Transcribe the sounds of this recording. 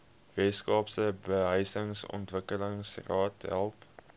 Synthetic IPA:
vɛskɑːpsəbəɦəjsəŋsɔ̰ntvəkələŋsrɑːtɦælˠp

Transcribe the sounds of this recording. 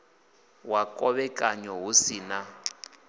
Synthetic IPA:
wakʼɔβɛkʼaɲɔɦusina

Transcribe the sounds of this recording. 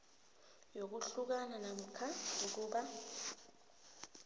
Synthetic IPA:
jok̬uɬuk̬ananam̩kʰauk̬uːɓa

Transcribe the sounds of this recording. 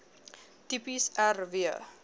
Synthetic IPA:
t̪ipisarvia̰

